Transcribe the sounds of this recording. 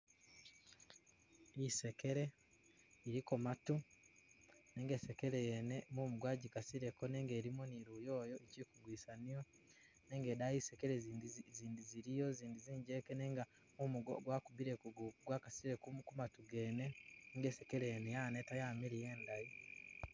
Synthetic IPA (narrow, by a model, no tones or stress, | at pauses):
ise̞ke̞ɾe̞ | iɾikomatu | neːŋɡeːsekeɾejenemumuɡwaːɟikasiɾekoneːŋɡeːɾimoniɾujoːjo̞ecikuɡwiːsanijo | ne̞ːŋɡeːdaiːsekeɾeziːndiziɾijo̞ziːndiziːɲɟekeneːŋɡa | mumuɡ̰ɡwakubiɾekuɡwakasiɾekumkumatuɡe̞ːneneːŋɡeːsekeɾejenejaːnetajaːmiɾije̞ːndai